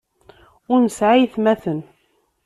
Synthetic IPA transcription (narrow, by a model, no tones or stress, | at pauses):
ʊɾnəsʕajθmæθən